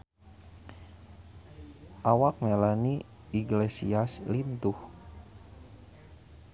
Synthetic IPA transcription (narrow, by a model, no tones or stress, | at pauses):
ʔawak̚melani | iɡlesiaslint̪uh